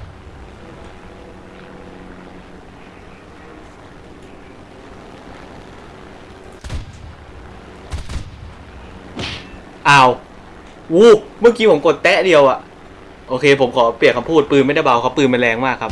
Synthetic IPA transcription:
ʔaː˥˩w | uː˥˩mɯː˥˩ŋkiː˧pʰo˩˦mko˨˩t̪ːɛ˦˥di˧əwʔa˨˩ʔ | ʔoː˧kʰeː˧pʰo˩˦mkʰɔː˩˦pli˨˩ət̚kʰa˧pʰuː˥˩t̪̚pɯː˧nm˥˩da˥˩ba˧wkʰa˦˥wpɯː˧nma˧nlɛː˧ŋmaː˥˩kʰːa˦˥

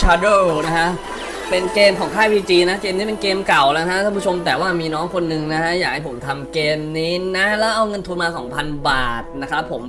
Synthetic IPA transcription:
t͡ɕʰa˧do˥˩na˦˥kʰa˦˥ʔ | pe˧nkeː˧mkʰɔː˩˦ŋkʰaː˥˩jwiː˧t͡ɕiː˧na˦˥keː˧mniː˦˥p̬e˧nkeː˧mka˨˩wlaː˧˦˥kʰa˦˥kʰa˥˩pʰu˥t͡ɕʰo˧mt̪̬ɛː˨˩waː˥˩miː˧nɔː˦˥ŋkʰo˧nːɯ˨˧ŋna˦˥kʰa˦˥jaː˨˩k̚ha˥˩jpʰo˩˦mt̪ʰa˧mkeː˧mniː˦˥na˦˥lɛː˦˥wʔa˧wŋɤ˧nt̪ʰu˧nmaː˧kʰɔː˩˦ŋpʰa˧nbaː˨˩t̪̚na˦˥kʰɾa˦˥pʰːo˩˦m

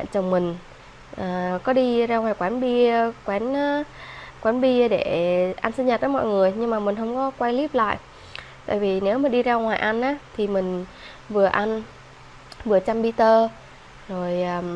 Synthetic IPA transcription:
a̰˧˨t͡ɕə˨˩wŋ͡mmï˨˩ŋ̟ | ʔaː˨˩kɔ˨˦ɗi˧zaː˧ŋwaː˨˩jkwaː˨˦nɓi˧kwɛ˨˦nː˨˦kwɛː˨˦nɓi˧ɗe˧˩ʔa˧nsɨ˧nɲə˨˩t̪̚ːəː˨˦jmɔ̰˧˨jŋɨ˨˩əjɲɨ˧ŋmaː˨˩mï˨˩ŋ̟ɦə˧wŋ͡mkɔ˨˦kwa˧jli˦˥əp̚la̰ː˧˨jʔ | t̪a̰ː˧˨jvi˨˩ne˨˦wmi˨˩ɗi˧zaː˧ŋwaː˨˩jʔa˧nʔaː˨˦t̪ʰi˨˩mï˨˩ŋ̟ | vɨ˨˩əʔa˧n | vɨ˨˩ət͡ɕa˧mɓi˧t̪əː˧ | zo˨˩jʔaː˨˩

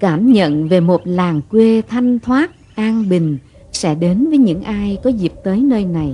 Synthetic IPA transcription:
kaː˧˩mɲə̰˧˨nve˨˩mo˨˩t̚laː˨˩ŋkwe˧t̪ʰa˧jŋ̟t̪ʰwaː˦˥t̚ | ʔaː˧nɓï˨˩ŋ̟ | sɛ̰˧˥ɗe˨˦nvəː˨˦jɲɨ̰˧˥ŋʔaː˧jkɔ˨˦zi˨˩əp̚t̪əː˨˦jnəː˧jna˨˩j

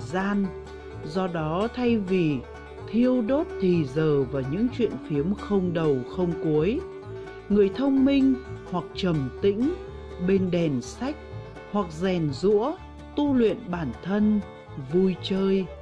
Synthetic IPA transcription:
zaː˧n | zɔ˧ɗɔ˨˦t̪ʰa˧jvi˨˩ | t̪ʰi˧əwɗo˦˥t̚t̪ʰi˨˩zəː˨˩vaː˨˩ɲɨ̰˧˥ŋt͡ɕwḭ˧˨ənfi˨˦əmxə˧wŋ͡mɗə˨˩wxə˧wŋ͡mku˨˦əj | ŋɨ˨˩əjt̪ʰə˧wŋ͡mmï˧ŋ̟hwa˨˩k̚t͡ɕə˨˩mt̪ḭ̈˧˥ŋ̟ | ɓe˧nɗɛ˨˩nsa˦˥jk̚ | hwa˨˩k̚zɛ˨˩nzṵ˧˥ə | t̪u˧lwḭ˧˨ənɓaː˧˩nt̪ʰə˧n | vu˧jt͡ɕəː˧j

